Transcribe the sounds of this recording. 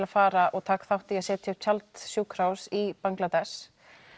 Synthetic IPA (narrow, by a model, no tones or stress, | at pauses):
lafaːɾaʔɔɣt̪ʰaːkθawht̪ɪɛsɛːt̪ʰɪʏt̪ʰjalt̪sjuːkʰɾawsipaŋklat̪ɛs